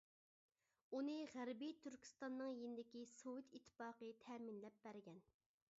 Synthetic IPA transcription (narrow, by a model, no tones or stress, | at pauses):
unɨʁæɾbit̪ʰyɾkʲʰi̥st̪ɑnːɨŋjenɪd̪ɪkʲisowut̪ʰit̪ʰːɪ̥fɑːqət̪ʰɛːminlɛp̚bæɾɡʲɛn